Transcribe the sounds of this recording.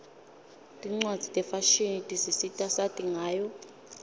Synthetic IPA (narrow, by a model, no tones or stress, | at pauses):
tʼiŋ͡ǀwḁd͡zʱitʼɛfaʃinitʼisisitʼasatʼiŋʱaːjɔ